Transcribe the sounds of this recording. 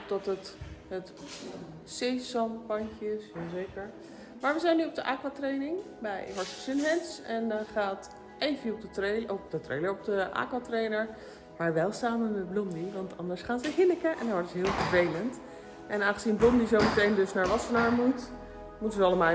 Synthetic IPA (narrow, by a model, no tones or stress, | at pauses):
pdɑtətɦət | seːsɑmpɑncəɪsjazejkəɹ | maːɹʋəzɛjnːyɔp̚dəʔaːkwatrejnɪŋ | bɛ̰jɦɔɹtəsɪnɦɛnsɛndɑnχaːt | ʔejvəɔp̚dəeɔp̚dətrḛjləɹɔp̚dəʔa̰ːkwatrejnəɹ | maːɹʋɛlˠsaːmənmɛd̚blɔmdiʋɑntʰɑ̰ndəɹsχaːnzəɦɪləkəʔɛ̰ndɔnʋɔdəzəɦɪːlˠfəɹvejlənt | ʔɛnaːnχəzinblɔmdizowmətejndɵsnaːɹlɑsənaːɹmut | mutənzəɑləma